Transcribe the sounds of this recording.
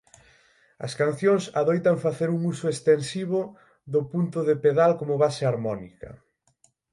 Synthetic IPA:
ɐ̰skan̟θjoŋsaðojt̪ɐŋfaθeɾuŋusoest̪ensiβo | ðʊpunt̪ʊðepeðalkomoβaseaɾmɔnikɐ̰

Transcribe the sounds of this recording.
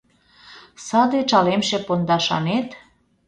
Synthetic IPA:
səd̪et͡ʃɑlemʃepond̪ɑʃɑ̰net̪

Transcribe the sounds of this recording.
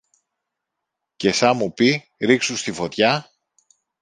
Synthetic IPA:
ce̞sɐmupi | ɾiksust̪ifo̞t̪çɐ

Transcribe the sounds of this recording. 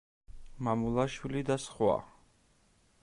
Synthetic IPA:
mamulˠaʃwilid̪asχwa̰

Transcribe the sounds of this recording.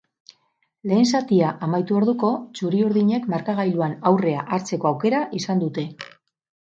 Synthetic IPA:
le̞ːnsat̪iaʔamajt̪uoɾðuko̞t͡ʃuɾiuɾðiɲe̞kmaɾkaɣajluanawre̞aʔaɾt͡se̞ko̞awke̞ɾaʔisand̪ut̪e̞

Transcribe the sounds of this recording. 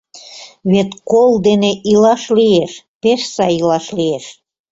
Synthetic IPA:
βet̪kold̪eneʔilɑʃlieʃ | peʃsɑjilɑʃlieʃ

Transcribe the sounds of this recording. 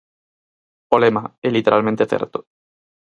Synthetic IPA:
polemaelit̪eɾʔalmẽnt̪eθḛɾt̪o̥

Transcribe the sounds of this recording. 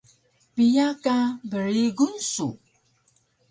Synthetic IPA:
pijakabəɾiɡunsṵ

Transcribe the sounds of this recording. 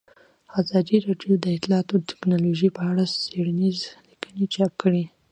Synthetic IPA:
azɑd̪iɾɑɖjod̪əɪt̪lɑt̪ot̪ʰɪ̥knɑloʒipəaɽaseɽanizlikənit͡ʃɑp̚kəɽi

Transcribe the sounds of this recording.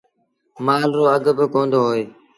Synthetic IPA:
maːlɾoːəɡbɪkõːnd̪oːɦoːeː

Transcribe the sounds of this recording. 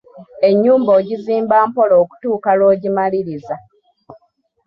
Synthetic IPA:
e̞ɲːuːmbo̞ːɟiziːmbaːmpo̞loːku̥tuːkalo̞ːɟimaliɾiza

